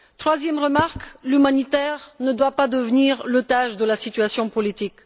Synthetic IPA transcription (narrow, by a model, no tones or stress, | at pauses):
t̪χwazjɛmʁəmaʁklymanit̪ɛʁnəd̪wapad̪əvniʁlot̪aʒd̪əlasit̪ɥasjɔ̃pɔlit̪ik